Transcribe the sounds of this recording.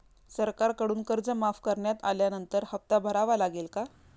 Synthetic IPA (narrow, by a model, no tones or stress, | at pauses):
səɾkaɾkəɽuːnkəɾd͡zəmafkəɾɳjat̪aljanənt̪əɾhəp̚t̪abʱəɾaʋalaɡelka